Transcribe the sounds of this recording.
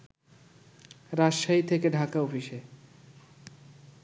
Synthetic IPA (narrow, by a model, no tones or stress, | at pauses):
ɾaʃʃait̪ʰekeɖʱakaofiʃe